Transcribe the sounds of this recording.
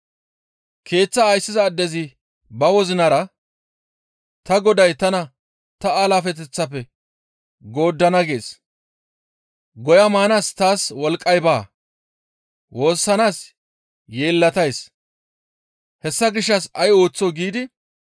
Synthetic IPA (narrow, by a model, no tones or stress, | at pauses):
kʰe̞ːt͡sːɐːjsːɪzɐːd̪ːɛzɪ | bɐwɔzɪnɐɾɐ | t̪ɐɡɔd̪ɐjt̪ɐnɐ | t̪ɐalafɛt̪̬ɛt͡sːɐpːɛ | ɡo̞ːd̪ːɐnɐɡe̞ːs | ɡɔjɐmaːnaːst̪aːswɔlkʼːɐjbaː | wʔo̞ːsːɐnaːs | je̞ːlːɐt̪ɐjs | hɛsːɐɡɪʃːɐsɐjo̞ːt͡sːɔɡiːd̪ɪ